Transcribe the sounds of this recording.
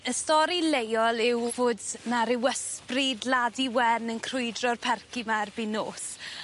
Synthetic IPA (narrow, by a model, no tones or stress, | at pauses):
əstɔɾilejɔlˠɪwvoːdnaɾɪwəsprɪdladiwɛnənkʰrʊjdrɔrpʰɛrkimarbinoːs